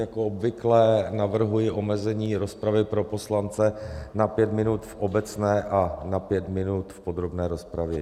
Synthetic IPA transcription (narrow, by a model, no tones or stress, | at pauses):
jakoobvɪklɛnavr̩ɦujɪʔo̞mɛzɛɲiːɾo̞spɾavɪpɾo̞po̞slant͡sɛnapjɛt̪mɪnut̪fʔobɛt͡snɛːʔanapjɛt̪mɪnut̪fpo̞d̪ɾo̞bnɛːɾo̞spɾavjɛ̰